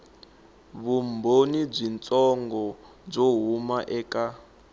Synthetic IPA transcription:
βumbonib͡ʐint͡sʼɔŋɡɔ | b͡ʐoɦumaʔɛːka

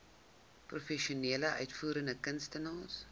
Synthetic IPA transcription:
profɛʃiuniələʔœɥtfuːɾəndəkənstənɑːs

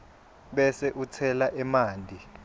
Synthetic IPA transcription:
ɓɛsɛʔut͡sʰɛlaʔɛmaːndʱi

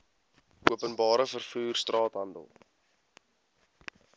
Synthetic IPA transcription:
ʔuəpənbɑːɾəfərfuːrstrɑːtɦɐndə̰lˠ

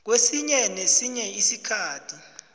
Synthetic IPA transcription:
k̬wesiɲɛnesiɲɛisikʰaːtʰi

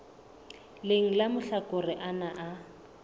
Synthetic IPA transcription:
leŋ̩lamʊɬakʼʊrɪʔanaʔa

